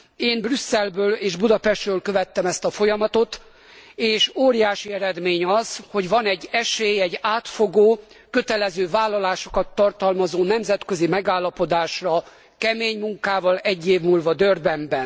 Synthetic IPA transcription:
eːmbrysːɛlbøːleːʒbud̪ɒpɛʃt̪røːlkøvɛt̪ːɛmɛst̪ɒfo̞jɒmɒt̪o̞t̪ | eːʃoːɾijaːʃiɛɾɛd̪meːɲɒzho̞ɟvɒnɛɟːɛʃeːjɛɟːaːt̪fo̞ɡoː | køt̪ɛlɛzøːvaːlːɒlaːʃo̞̥kɒt̪ːɒrt̪ɒlmɒzoːn̪ɛmzɛt̪køzimɛɡaːlːɒpo̞d̪aːʃrɒ | kɛmeːɲmuŋkaːvɒlɛɟːeːvmuːlvɒd̪ørbɛmbɛn

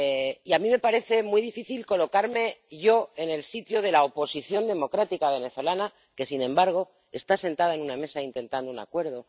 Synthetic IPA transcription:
iamĩme̞paɾe̞θe̞mijðifiθilko̞lo̞kaɾme̞ʝo̞e̞ne̞lsit̪joð̞e̞lao̞po̞siθjo̞nd̪e̞mo̞kɾat̪ikaβ̞e̞ne̞θo̞lana | ke̞sinẽ̞mbaɾɣ̞o̞ | e̞st̪ase̞nt̪aðae̞nuname̞saint̪e̞nt̪and̪ouna̰kwe̞ɾð̞o̞

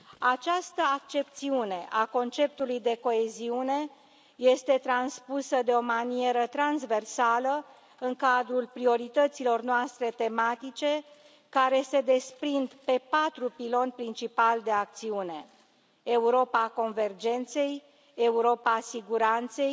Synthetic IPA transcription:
at͡ʃast̪əak̚t͡ʃe̞p̚t̪siune̞ʔako̞nt͡ʃe̞p̚t̪ulujd̪e̞ko̞e̞ziune̞ | je̞st̪e̞t̪ɾanspusəd̪e̞o̞manie̞ɾət̪ɾanzve̞rsalə | ɨŋkad̪ɾulpɾio̞ɾit̪ət̪silo̞rnoast̪ɾe̞t̪e̞mat̪it͡ʃe̞ | kaɾe̞se̞d̪e̞spɾind̪pe̞pat̪ɾupilo̞npɾint͡ʃipald̪e̞ak̚t̪siune̞ | euɾo̞pako̞nve̞rd͡ʒe̞nt̪se̞j | euɾo̞pasiɡuɾant̪se̞j

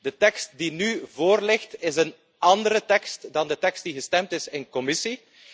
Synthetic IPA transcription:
d̥ətɛkst̚dinyvoːrlɪxtɪzən | ɑndəɾətɛkstdɑndətɛkst̚d̥iɣəstɛmtɪsɪnkɔmɪsi

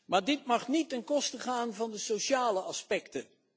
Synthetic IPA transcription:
maːɹdɪtmɑχnitənkɔstəχaːnvɑndəsoʃaːləʔɑspɛktə

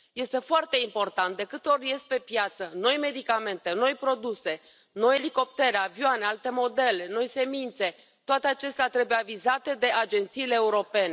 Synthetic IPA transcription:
je̞st̪e̞foart̪e̞impo̞rt̪ant̪̚d̪e̞kɨt̪o̞rje̞st̪̚pe̞pjat̪səno̞jme̞d̪ikame̞nt̪e̞no̞jpɾo̞d̪use̞ | no̞jeliko̞pt̪e̞ɾeavjoanealt̪e̞mo̞d̪e̞le̞no̞jse̞mint̪se̞ | t̪oat̪eat͡ʃe̞st̪eat̪ɾe̞bujeavizat̪e̞d̪e̞ʔad͡ʒe̞nt̪siːleːuɾo̞pe̞ne̞

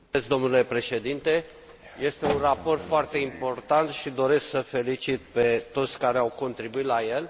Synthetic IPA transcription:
et̪sd̪o̞mnule̞pɾe̞ʃe̞d̪int̪e̞ | je̞st̪e̞unrapo̞rt̪foart̪e̞impo̞rt̪ant̪ʃid̪o̞ɾe̞sksəfe̞lit͡ʃit̪pe̞t̪o̞t̪sʲkaɾeawko̞nt̪ɾibuit̪laje̞l

